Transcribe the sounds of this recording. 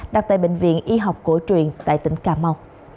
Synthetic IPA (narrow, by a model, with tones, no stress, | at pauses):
ɗa˨˩t̚t̪aː˧˨jɓḛ˧˨ŋ̟vḭ˧˨ənʔi˧ɦa˨˩wk͡p̚ko˧˦jt͡ɕwḭ˨ənt̪a̰ː˧˨jt̪ï˨˦ŋ̟kaː˧˦ma˧w